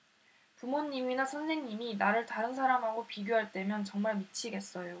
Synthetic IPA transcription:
pumoɲːiminasʰʌnsʰe̞ŋɲiminaɾɯɭtaɾɯns̬ʰaɾamɦaɡopiɡjoɦaɭt͈e̞mjʌnt͡ɕʌŋmaɭmit͡ɕʰiɡe̞s͈ʌjo

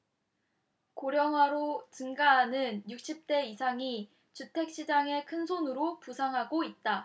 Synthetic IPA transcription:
koɾjʌŋwaɾot͡ɕɯŋɡaːnɯnjuk̚ɕ͈ʰip̚t͈e̞isʰaŋi | t͡ɕutʰe̞k̚ɕ͈id͡ʑaŋe̞kʰɯnsʰonɯɾopusʰaŋɦaɡoit̚t͈a

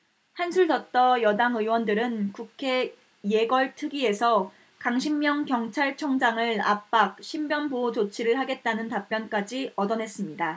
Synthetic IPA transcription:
hansʰuɭtʌt͈ʌjʌdaŋɯiwʌndɯɾɯnkukʰe̞ | je̞ɡʌɭtʰɯɡie̞sʰʌ | kaŋɕʰimːjʌŋkjʌŋt͡ɕʰaɭt͡ɕʰʌŋd͡ʑaŋɯɭa̰p͈̚ak̚ɕʰimbjʌnbod͡ʑot͡ɕʰiɾɯɭhaɡe̞t̚t͈anɯntap̚p͈jʌnk͈ad͡ʑiʌdʌnɦe̞s͈ɯmɲida

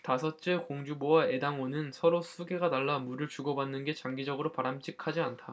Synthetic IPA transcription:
tasʰʌt͡ɕ͈ekoŋd͡ʑubowae̞daŋwonɯnsʰʌɾosʰuɡe̞ɡanaɭːamuɾɯɭt͡ɕuɡʌbanːɯnɡe̞t͡ɕaŋɡid͡ʑʌɡɯɾopaɾamt͡ɕ͈ʰikʰad͡ʑiantʰa

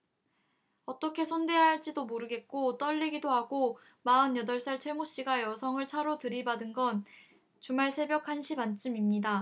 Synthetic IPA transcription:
ʌt͈ʌkʰe̞sʰonde̞jaɦaɭt͡ɕ͈idomoɾɯɡe̞t̚k͈ot͈ʌʎːiɡidoɦaɡo | maɯnjʌdʌɭs͈aɭt͡ɕʰe̞moɕ͈iɡajʌsʰʌŋɯɭt͡ɕʰaɾotɯɾibadɯnɡʌn | t͡ɕumaɭsʰe̞bjʌkʰanɕʰipant͡ɕ͈ɯmimɲida

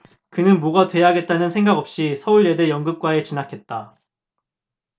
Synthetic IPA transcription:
kɯnɯnmoɡatwe̞jaɦaɡe̞t̚t͈anɯnsʰe̞ŋɡaɡʌp̚ɕ͈isʰʌuɾede̞jʌŋɡɯp̚k͈wae̞t͡ɕinakʰe̞t̚t͈a

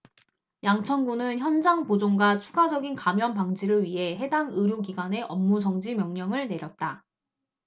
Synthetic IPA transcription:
jaŋt͡ɕʰʌnɡunɯnçjʌnd͡ʑaŋpod͡ʑoŋɡwat͡ɕʰuɡad͡ʑʌɡinkamjʌnpaŋd͡ʑiɾɯɭɥiɦe̞ɦe̞daŋɯɾjoɡiɡwane̞ʔʌmːud͡ʑʌŋd͡ʑimjʌŋɲʌŋɯɭne̞ɾjʌt̚t͈a

